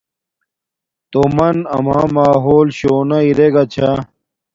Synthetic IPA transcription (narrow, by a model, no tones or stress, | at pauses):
t̪omɐnɐ̰mãːmaːɦoːlɕoːnɐiɾeɡɐt͡ɕʰa